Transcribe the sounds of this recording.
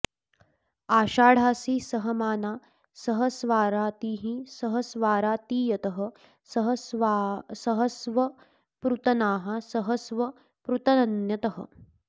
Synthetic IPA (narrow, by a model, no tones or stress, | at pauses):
aːʃaːɽ̤aːsiːsɐɦɐmaːnaː | sɐɦɐsʋaːɾaːt̪iːɦisɐɦɐsʋaːɾaːt̪iːjɐt̪ɐɦɐ | ɦ | sɐɦɐsʋɐ | pɾut̪ɐnaːɦɐ̆sɐɦɐsʋɐ | pɾut̪ɐnɐnjɐt̪ɐɦɐ̰